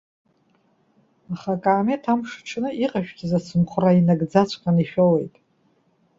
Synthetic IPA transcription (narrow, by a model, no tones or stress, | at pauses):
aχakʼaːmetʰamʂʈ͡ʂʰnɨʔiqʼaʃᶣɡʲʼizat͡sʰɨmχʷʰrainaɡd͡zat͡ɕʷʰʼqʼaniʃᶣowe̞jtʼ